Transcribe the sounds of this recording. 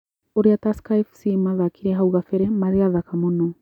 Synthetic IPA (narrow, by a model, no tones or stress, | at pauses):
oɾeataskaifsimaðakʰiɾɛɦauɣafɛɾɛmaðeaðakamonɔ